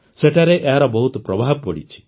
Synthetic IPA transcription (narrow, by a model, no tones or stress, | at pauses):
seʈaɾeʔaɾɔbɔɦut̪pɾɔbaːɦb̚ɔɽḭt͡ʃʰi̥